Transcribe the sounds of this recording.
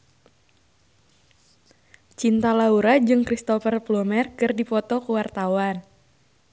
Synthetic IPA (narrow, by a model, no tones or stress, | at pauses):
t͡ʃint̪alauɾad͡ʒɨŋkɾist̪ɔfərplɔmɛrkɨrdipɔt̪ɔkuwart̪awan